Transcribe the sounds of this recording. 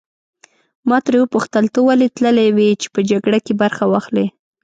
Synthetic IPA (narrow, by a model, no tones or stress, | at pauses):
mɑt̪ɾewəpuxt̪əlt̪əwalet̪ləlawet͡ʃe̥pəd͡ʒaɡɽakebaɾxawɑxle